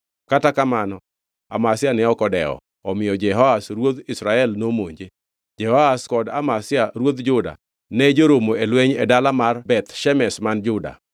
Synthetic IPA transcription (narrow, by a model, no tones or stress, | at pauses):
katakamanɔ | a̰masɪjanɛɔkɔdɛɔ̰ | ɔmɪjɔd͡ʒɛɦɔasɾwod̪ɪsɾaɛlnomoɲd͡ʒe | d͡ʒɛhɔaskɔda̰masjaɾwod̪d͡ʒʊda̰ | nɛd͡ʒoɾomoelwɛɲḛdalamarbɛt̪ʃɛmɛsmand͡ʒʊda̰